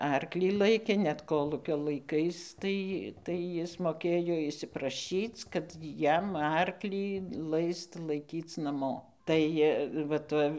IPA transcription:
ˈɐrklʲiː ˈlˠɐɪkʲeː nʲɛt ˈkoːlˠuːkʲoː lˠɐɪˈkɐɪs ˈtɐɪ tɐɪ ˈjɪs moːˈkʲeːjoː ɪʃʲsʲɪprɐˈʃʲiːt͡s kɐt ˈjɛm ˈɐrklʲiː ˈlˠɐɪst lˠɐɪˈkʲiːt͡s nɐˈmoː ˈtɐɪ ʋɐ ˈtɐ

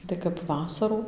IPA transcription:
tɐɪ kɐp ˈʋɑːsɐruː

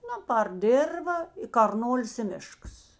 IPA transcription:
ˈnʊ pɐr ˈdʲeːrʋɐ ɪ kɐrˈnoːlʲɪs ɪ ˈmʲɪʃkɐs

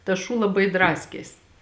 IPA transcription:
tɐs ˈʃuː lˠɐˈbɐɪ ˈdrɑːsʲkʲeːs

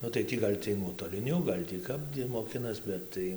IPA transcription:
ˈnʊ tɐɪ ˈtʲiː ɡɐlʲ ˈt͡sʲiɛj nuɔtoːlʲɪˈnʲʊ ˈɡɐlʲ tʲiː ˈkɐp ˈiɛj moːˈkʲɪnɐs ˈbʲɛt tɐɪ

